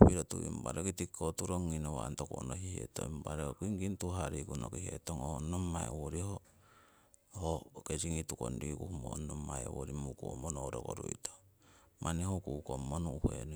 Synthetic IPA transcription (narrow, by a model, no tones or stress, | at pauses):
piɾotuḭmba̰ɾekitikːotuɾoŋːinowa̰ntoko̰ʔnohihetoimbaɾeokiŋɡintuɦaɾikunokihetoŋonːomaewoɾiho | hokesiŋituko̰ndikuhumonomaewoɾimukuomonoɾoko̰ɾuito | mʔanehokukomːonuuhḛnu